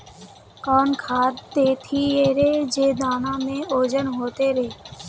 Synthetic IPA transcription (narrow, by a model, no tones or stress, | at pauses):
kɔːnkʰaːd̪et̪ʰieɾed͡ʒeːd̪aːnamẽoːd͡ʒənɦot̪eɾeː